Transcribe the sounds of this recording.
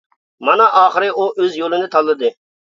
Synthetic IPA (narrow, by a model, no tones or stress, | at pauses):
mɑnɑʔɑːχəɾɨʔuʔøzjolˠɨnɪt̪ʰɑlˠːɨd̪ɨ